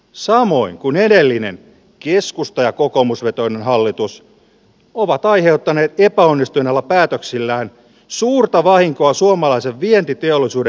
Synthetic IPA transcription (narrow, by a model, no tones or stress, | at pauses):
sɑmo̞iŋkunedelːinḛn | keskust̪ɑjɑkokomusʋet̪o̞inenɦɑlːit̪us | oʋɑt̪ɑihewt̪ːɑneːt̪epæonːist̪ujnelːɑpæːt̪øksilːæːn | suːrt̪ɑʋɑhiŋkoɑsuomɑlɑiseʋʋient̪it̪e̞olːˑisuːde